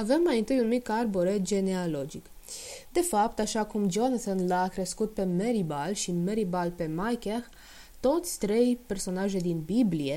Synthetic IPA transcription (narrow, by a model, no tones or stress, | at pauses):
ave̞mːajint̪ɨjunmikarboɾed͡ʒe̞nealo̞d͡ʒik | d̪e̞fapt̪aʃakumd͡ʒo̞nat̪onlakɾeskut̪̚pe̞me̞ɾibalʃime̞ɾibalpe̞majkex | t̪o̞t̪sʲt̪ɾe̞jpe̞rso̞naʒejd̪inbiblie̞